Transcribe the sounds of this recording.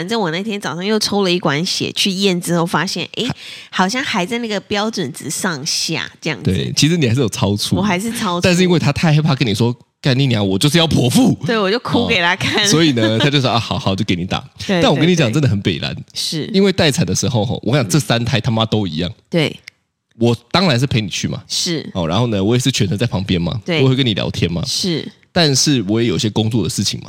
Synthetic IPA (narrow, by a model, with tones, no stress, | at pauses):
a˨˩nʈ͡ʂə˥˩ŋwɔ˨˩na˥˩t̪ʰjɛ˥nt͡sɑ˨˩ʊʂɑ˥˧ŋjo˥˩ʊt͡sʰo˥ʊlə˨i˥˩kwa˧˥nɕjɛ̰˨˩t͡ɕʰy˥˧jɛ˥˩nt͡sɻ̩˥xo˥˩ʊfa˥ɕjɛ̰˥˩nʔḛ˧˥ɪxɑ˨˩ʊɕ̬jɑ˥˩ŋxa˧ɪt͡sa˥˧ɪna˥˩ɡə˩pjɑ˥ʊʈ͡ʂwə˨˩nt͡sɹ̩˧˩˦sɑ˥˨ŋɕja̰˥˩ʈ͡ʂə˥˧jɑ̰˥˩ŋt̪we˥˩ɪ˩t͡ɕʰi˧˥ʂɻ̩˧˦ni˨˩xa˧ɪʂɻ̩˥jo˨˩t͡sʰɑ˥ʊt͡sʰu˥wɔ˨˩xa˧˥ɪʂ̬ɻ̩˥˩t͡sʰɑ˥ʊa˥˧nʂɻ̩˥˧i˥ŋwe˥˩ɪt̪ʰa˥t̪ʰa˥˩ɪxa˧˥pʰa˥˩kə˦ni˨˩ʂwɔ˥ | ka˥˩ni˧˩ni˨a˨˧˦wɔ˨˩t͡ɕjo˥˧ʂ̬̩˥˧jɑ˥˩ʊpʰwɔ˨˥fu˥˩we˥˩ɪwɔ˨˩t͡ɕjo˥˧ʊkʰu˥ke˨˩ɪtʰa˥kʰa˥˨nnswɔ˧˦˥i˨˩nə˦a˥t͡ɕo˥˧ʊswa˥˩xʊxɑ˨˩ʊt͡ɕo˥˩ke˧˩ɪni˨˥t̪a̰˨˩˦nwkə˥ni˧t͡ɕɑ˨ŋt͡sə˥nd̪ə˩xə˧˦npe˨˩ɪla̰˧˦nʂ̩˥˩i˥nwe˥˧ɪt̪a˥˩ɪt͡sʰa˨˩nd̪ə˦ʂɻ̩˧˥xo˥˧ʊxɔ̰˨˩wɔ̰˨˩ka˥˩jɑ˨˧ʈ͡ʂɤ˥˩sa˦nt̪ʰa˥˩ɪt̪ʰa˥ma˥t̪o˥ʊḭ˧˥jɑ̰˥˩ŋt̪we˥˩ɪ | wɔ˨˩t̪ɑ˥ŋɻa˧˦nʂ̬̩˥˩pʰe˧˥ɪni˨˩t͡ɕʰy˥˩ma̰˨˩ʂɻ̩˥˩ɔ˨˩ɻa˧˦nho˥˩ʊnə˨wɔ˦jɛ˨˩ʂɻ̩˥˩t͡ɕʰɥɛ˨˦nt͡sʰə˧˦nt͡sa˥˩ɪpʰɑ˧˥ŋpjɛ˦nma̰˨we˥˨˧kə˦˥ni˨ja̰˧˥ʊt̪ʰjɛ˦nma̰˨ʂɻ̩˥˩ | t̪a˥˧nʂɻ̩˥˩wɔ˨˦jɛ˧˦jo˨˩ʊi˦ɕjɛ˥ko˥ŋt͡swɔ˥˨˩d̪ə˨˩ʂɻ̩˥˩t͡ɕʰḭ˨ŋma˨˦